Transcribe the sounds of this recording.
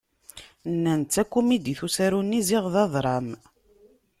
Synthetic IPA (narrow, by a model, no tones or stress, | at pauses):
nːænt͡sːækʷːumid̪iθusæɾunːiziʁðɑðˤɾˤɑm